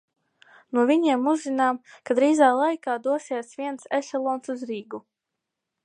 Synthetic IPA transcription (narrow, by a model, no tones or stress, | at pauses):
nuɔvʲiɲiɛmuzzinaːmkad̪ɾiːzaːlˠajkaːd̪uɔsiɛsviɛnsɛsɛlˠɔːnsuzɾiːɡu